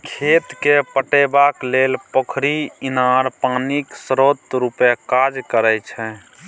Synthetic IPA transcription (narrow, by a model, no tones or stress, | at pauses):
kʰet̪kepəʈɛbaklelpəkʰɾiinaɾpaniksɾot̪ɾupɛkad͡ʒkəɾɛt͡ʃʰɛ